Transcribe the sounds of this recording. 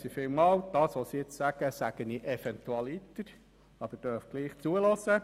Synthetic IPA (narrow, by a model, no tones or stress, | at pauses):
sifiːlmɑːwd̪̥ɑːsʋosiɪt͡ssæɡ̥əsæɡ̥əniʔɛfɛnt̪uɑlit̪əɾ | ɑb̥əɾd̥œɾfɡ̥liːχt͡suəlɔsə